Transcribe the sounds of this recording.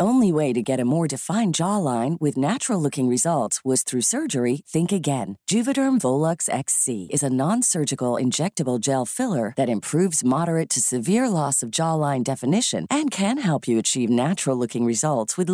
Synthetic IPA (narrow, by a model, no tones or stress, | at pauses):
õʊ̃nliweɪɾɨɡɛɾɨmɔɹdɨfãɪ̃nd͡ʒɑlãɪ̃nwɪðnæt͡ʃɹl̩ˠlʊkɪ̃ŋɹɨzʌlˠtswʌz̥θɹʉsɜ˞d͡ʒə˞iθɪ̃ŋkɨɡɛ̃nd̥ʒ̥ʉvɨɾə̃˞ɱvoʊlˠʌksɛ̰ksiɨzɨnɑ̃nsɜ˞d͡ʒɨkl̩ˠɪ̰̃nd͡ʒɛk̚tɨbl̩ˠd͡ʒɛlˠfɪlˠə˞ðɨɾɨ̃mpʰɹ̥ʉvzmɑɾə˞ɨtʰɨsɨvɪɹlɔsʌvd͡ʒɔlãɪ̃ndɛfɨnɪʃɨ̰̃nʔɨ̃nkʰɨ̃nɦɛlˠpʰjɨɨt͡ʃʰivnæt͡ʃɹl̩ˠlʊkɪ̃ŋɹɨzʌlˠtswɨð